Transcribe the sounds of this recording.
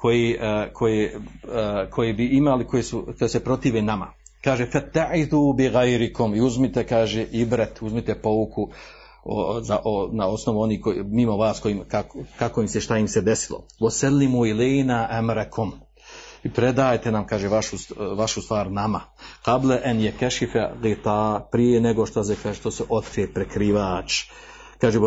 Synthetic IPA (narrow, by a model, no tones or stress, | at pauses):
ko̞jikʰo̞je | kʰo̞jebiimaliko̞jesukojese̞pɾo̞t̪iːʋenama̰ | kaːʒefat̪ːaʕid̪uːbiɣajɾikomiuzmit̪ekaːʒeʔibɾet̪uzmit̪e̞po̞ʋuku | o̰zaʔonao̞sno̞ʋuo̞niːkomimo̞ʋaːsko̞jiːmkakkakojimseʃt̪ajimsed̪esilo̰ʋoselːimuilejnaʔamɾekʰom | ipɾed̪aːjt̪enamkaːʒeʋaʃuʋaʃust̪ʋaːɾnamaqableʔenjekeʃifeɣit̪aːpɾijeneɡoʃt̪as̬ekaːʒet̪oseʔo̞t̪kɾiepɾekɾiːʋaːt͡ʃ | kaːʒe